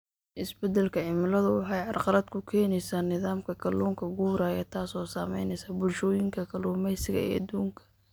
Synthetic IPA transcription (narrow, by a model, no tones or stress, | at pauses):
ʔɪsbɛd̪ɛlkʰɐʕɪmlɐðʊwɑħɑjʕɑrqɑlɐd̪kʰʊkʰɛːnɛjsaːnɪðaːmkʰɐkʰɐluːŋkʰɐɡuːɾaːjɐt̪ʰaːsɔːsaːmɛ̰jnɛjsɐːbʊlʃɔːjɪŋkʰɐkʰɐluːmɛjsɪɣɐ̰ɛ̰ːad̪uːŋkʰɐ̥